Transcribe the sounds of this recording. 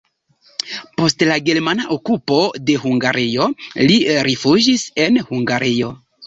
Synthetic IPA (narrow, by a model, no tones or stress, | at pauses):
po̞stlaɡe̞ɾmanaʔokupo̞de̞huŋɡaɾʔijo̞liɾifud͡ʒise̞nhuŋɡaɾijo̞